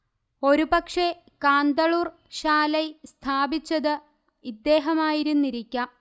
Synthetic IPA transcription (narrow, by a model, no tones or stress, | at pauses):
o̞ɾubɐkʂe̞ | kaːnd̪ɐɭuːr | ɕaːlɐjst̪ʰaːbit͡ɕːɐðɨ | id̪ːe̞ːɦɐmaːjiɾunːiɾikʲːɐ